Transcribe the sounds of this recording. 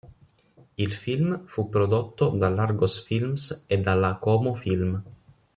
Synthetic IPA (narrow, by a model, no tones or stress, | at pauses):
ilfilmfupːɾod̪ot̪ːod̪alːarɡosfilmsed̪ːalːakɔːmofilm